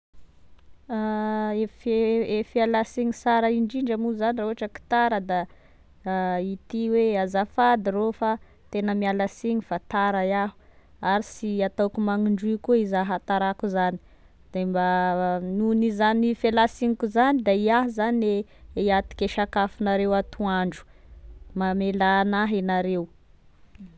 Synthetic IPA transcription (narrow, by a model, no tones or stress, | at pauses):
aefeefialasiɲisaɾaiɳɖ͡ʐiɳɖ͡ʐamuzaniroɦaʈ͡ʂəki̥t̪aɾəd̪a | it̪iweazafad̪irofa | t̪enəmialasiɲifat̪aɾajaɦu̥ | aɾisiat̪awkumaŋiɳɖ͡ʐukuizaɦat̪aɾakuzani̥ | d̥embanunizanifelasiɲikuzanid̪aiaɦzaneiat̪i̥keʃakafunaɾewat̪uaɳɖ͡ʐu̥mamelanaɦenaɾew